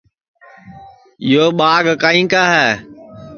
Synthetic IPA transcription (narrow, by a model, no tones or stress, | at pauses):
joːɓaːɡkaːĩːkaːɦɛː